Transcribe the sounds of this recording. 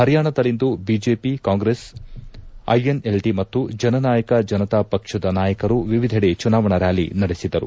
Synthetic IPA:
hɐɾjaːɳɐd̪ɐlind̪ubid͡ʒeːpikaːŋɡɾes | ɐ̰jene̞lʈimɐt̪ːud͡ʒɐnɐnaːjɐkɐd͡ʒɐnɐt̪apɐkʂɐd̪ɐnaːjɐkɐɾuʋiʋid̪ʱɐɽet͡ʃunaːʋɐɳɐɾaːlḭnɐɽesid̪ɐɾṵ

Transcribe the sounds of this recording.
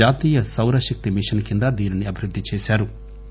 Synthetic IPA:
aːt̪iːjɐsɐwɾɐʃɐk̚t̪imiʂɐnkind̪ɐd̪iːniniɐbʱiɾud̪ʱːit͡ʃɛːʃaːɾu

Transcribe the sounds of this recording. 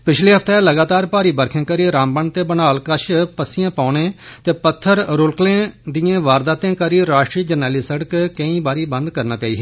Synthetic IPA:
pɪt͡ʃʰleːɦəpʰt̪ɛləɡaːt̪aːɾpaːɾiːbəɾkʰẽːkəɾiːɾãːmbəɳt̪eːbənaːlkəʃpəsɪjãːpaːnẽːt̪eːpət̪ʰːəɾɾʊlklẽːd̪ijãːʋaːɾd̪aːt̪ẽːkəɾiːɾaːʃʈɾiːd͡ʒəɾnɛːliːsəɽəkkə̃ĩːbaːɾiːbə̃nd̪kəɾnaːt͡ʃaiːɦɛː

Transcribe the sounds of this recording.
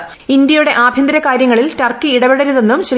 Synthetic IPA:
ind̪jɐjuɽe̞ʔaːbʱjɐnd̪ɐɾɐkaːɾjɐŋːɐɭiltɐrkːiːɽɐʋeɽɐɾuðe̞nːumɕɐ

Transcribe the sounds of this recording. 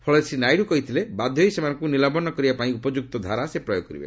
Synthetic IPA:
pʰɔɭesʰinajɽukɔɦit̪ʰilebad̪ʱjɔisemanɔŋkunilabɔnɔkɔɾibapaĩupɔd͡ʒuk̚t̪ɔd̪ʱaɾasepɾɔjoɡkɔɾḭbḛ

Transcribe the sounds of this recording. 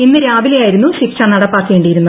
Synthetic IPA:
inːɨɾaːbilejaːjiɾunːuɕikʂanɐɽɐpːaːkːe̞ːɳɖijiɾunːɐ

